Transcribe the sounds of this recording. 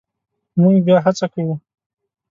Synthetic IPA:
mʊŋɡbjaɦat͡sakawu

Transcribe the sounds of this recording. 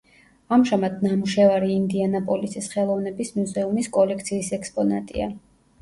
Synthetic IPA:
amʒamad̪namuʃɛvaɾiːnd̪ianapʼɔlisisχɛlˠɔvnɛbismuzɛumiskʼɔlɛkʰt̪sʰiːsɛkspʼɔna̰t̪ʼḭa̰

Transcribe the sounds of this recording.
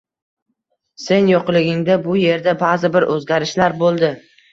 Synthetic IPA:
se̞njoqlˠɪɡʲɪŋd̪abʊje̞ɾd̪abazɪbɪɾʔɵzɡʲaɾɪʃlaɾbolˠd̪ɪ

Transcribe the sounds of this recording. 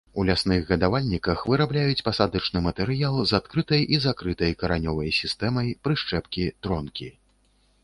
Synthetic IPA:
ulʲasnɨɣɣɐd̪avalʲnʲikɐxvɨɾablʲajut͡sʲpasad̪ɨt͡ʂnɨmɐt̪ɛɾɨjalˠzat̪kɾɨt̪ɐjʔizakɾɨt̪ɐjkɐɾanʲɔvɐjsʲist̪ɛmɐjpɾɨʂt͡ʂɛpkʲit̪ɾɔnkʲi

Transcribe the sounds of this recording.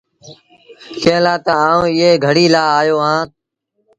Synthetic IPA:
kẽːlaːt̪əaːũːɪːeːɡʱəɽiːlaːaːjoːɦãːt̪̚

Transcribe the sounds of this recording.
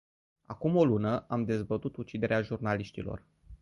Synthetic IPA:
a̰kumo̞lunəʔamd̪e̞zbət̪ut̪ut͡ʃid̪e̞ɾeaʒurnaliʃt̪ilo̞̰r

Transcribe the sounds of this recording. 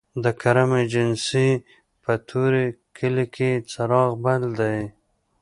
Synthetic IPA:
d̪əkʰaɾamed͡ʒɪnsi | pət̪ʰuɾekʰəlikʰet͡saɾɑɣbald̪aj

